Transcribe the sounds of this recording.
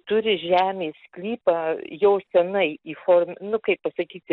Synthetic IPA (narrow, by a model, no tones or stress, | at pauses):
t̪ʊɾʲɪʒʲæːmʲeːsklʲiːpɐjɛʊsʲɛnɐɪiːfoːrmʲnʊkɐɪppɐsɐkʲiːsʲɪ